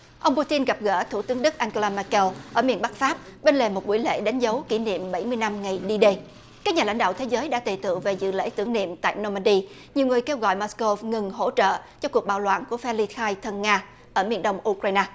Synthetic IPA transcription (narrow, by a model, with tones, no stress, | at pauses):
ʔə˧wŋ͡mpu˧t̪i˧nɣa˨˩p̚ɣə̰ː˧˥t̪ʰu˧˩t̪ɨ˨˦əŋɗɨ˦˥k̚ʔaː˧ŋko˧laː˧mɛː˧kɛ˧wʔəː˧˩mi˨˩ənɓa˦˥k̚faː˦˥p̚ɓe˧nle˨˩mo˨˩t̚ɓu˧˩jlḛ˧˥ɗa˨˦jŋ̟zə˨˦wki˧˩nḭ˧˨əmɓa˧˩jmɨ˧əjna˧mŋa˨˩jɗi˧ɗe˧ | kaː˦˥k̚ɲaː˨˩la̰˧˥jŋɗ̰aː˧˨t̪ʰe˨˦zəː˨˦jɗa̰ː˧˥t̪e˨˩t̪ɨ̰˧˨ŋve˨˩zɨ̰˧˨lḛ˧˥t̪ɨ˧˩əŋnḭ˧˨əmt̪a̰ː˧˨jno˧maː˧ɗi˧ | ɲi˨˩əwŋɨ˨˩əjke˧wɣɔ̰˧˨jmɔ˧˥sko˧fŋɨ˨˩ŋɦo̰˧˥t͡ɕə̰ː˧˨t͡ɕɔ˧ku˨˩ək̚ɓaː˨˩wlwa̰ː˧˨nku˧˩əfɛ˧li˧xaː˧jt̪ʰə˧nŋaː˧ | ʔəː˧˩mḭ˨˧˩ənɗə˧wŋ͡mʔu˧kɾaː˧jnaː˧